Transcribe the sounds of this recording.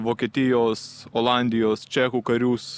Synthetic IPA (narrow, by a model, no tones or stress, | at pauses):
ʋoːkʲiɛt̪ʲɪjoːsoːlˠɑˑnʲd̪ʲɪjoːst͡ʃʲɛkuːkɐɾʲuːs